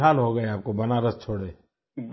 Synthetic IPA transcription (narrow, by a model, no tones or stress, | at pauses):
aːlɦoɡɐeaːp̚kobɐnaɾɐst͡ʃʰoːɽeː